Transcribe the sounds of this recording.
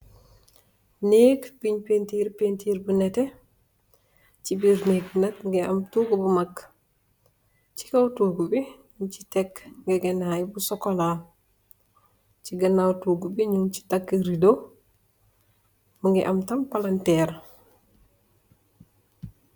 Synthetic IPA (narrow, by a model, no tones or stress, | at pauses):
neːkpiɲpentiːɾpentiːɾbunɛtɛ | cibiɾneknɐtŋɡɛʔɐmtuːɡubumɐk | ci̥kɐwtuːɡubiɲunt͡ʃi̥tɛkŋɡɛɡɛnajbusɔkːɔlaːl | ciɡɐnawtuːɡubiɲunci̥takːəɾido | muŋɡɛʔɐmtɐmpɐlɐntɛːɾ